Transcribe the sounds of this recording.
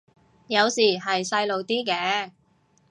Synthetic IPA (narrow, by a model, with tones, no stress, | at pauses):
jɐ˨˧wsiː˨˩ɦɐ˨jsɐ˧jlo˨˧wt̪iː˥kɛː˧˥